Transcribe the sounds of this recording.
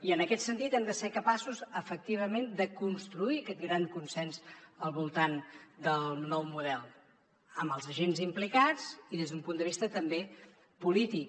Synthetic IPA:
iənəkɛt̪sənt̪it̪ɛmd̪əsekəpasuzəfək̚t̪iβ̞əmend̪əkunst̪ɾuiəkɛt̪̚ɡɾaŋkunsɛnzəlˠβulˠt̪and̪əlˠnɔwmuðɛlˠ | əməlˠzəʒenzimplikat͡siðezðumpund̪əβist̪ət̪əmbe | pulit̪ik

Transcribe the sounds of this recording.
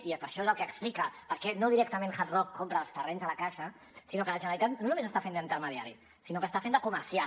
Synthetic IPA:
ipəɾʃɔezəlˠkəːksplikəpəɾkɛnoðiɾɛkt̪əmẽnxat̪rɔkkːompɾəːlˠst̪ərɛɲzələkaʃə | sinokələʒənəɾlit̪at̪nonumezəst̪afend̪əint̪əɾməðia̰ɾḭ | sinokəːst̪afend̪əkuməɾsia

